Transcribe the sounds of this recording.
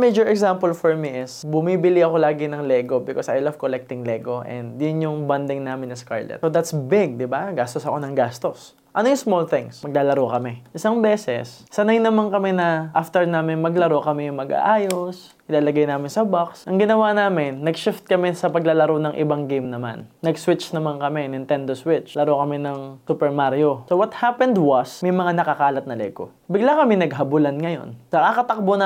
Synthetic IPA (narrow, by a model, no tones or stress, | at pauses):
med͡ʒɔɹɛɡsampɐlfɔɹmiʔɪsbʊmibɪlɪɐko̞laːɡɪnɐŋlɛɡo̞bɪkosɐ̰jlɐvkolɛk̚t̪ɪŋlɛːɡo̞ʔɛ̰nd̪jʊnjʊŋbɐnd̪ɪŋnaːmɪnɐska̰ɹlɛ̰t̪sod̪at̪sbɪɡ̚d̪ɪbaɡast̪osɐko̞nɐŋɡast̪os | ʔɐnojʊŋsmolθɪ̃ŋsmɐɡ̚laːlɐɾokɐmɛʔɪsɐŋbɛːsɛ̰sːɐnajnɐmankɐmɛnɐʔaft̪ɛɹnaːmɪnmɐɡlɐɾokɐmɛjʊŋmɐɡa̰ʔaːjos | ʔɪlaːlɐɡajnaːmɪnsɐbaksʔɐŋɡɪnɐwaːnaːmɪnːɐɡʃɪft̪̚kɐmɛsɐpɐɡlalɐɾonɐŋʔɪ̰baŋɡejmnɐma̰nːɐɡswɪt͡ʃnɐmankɐmɛnɪnt̪ɛnd̪oswɪt͡ʃlɐɾokɐmɛnɐŋsupɛɹmaɾjo̞sowɐt̪hapɛnd̪wɐsmɐjmɐŋanɐkɐkaːlɐt̪̚nɐlɛ̰ːɡo̰ | bɪɡlakɐmɪnɐɡɦɐbʊlanŋɐjo̞̰nnɐakɐt̪ɐk̚bon